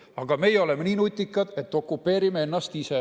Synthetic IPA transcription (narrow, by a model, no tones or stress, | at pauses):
ɑɡ̥ɑme̞jeo̞lemeniːnut̪ʲːˑikːˑɑd̪̥e̞t̪ːˑo̞kːˑupːe̞ːɾimee̞nːɑst̪ise̞